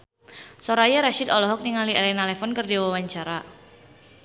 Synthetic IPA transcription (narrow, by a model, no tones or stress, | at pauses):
soɾajaɾaʃid̪ɔlɔɦɔk̚niŋaliɛlɛnalɛfɔnkərdiwawaɲt͡ʃaɾa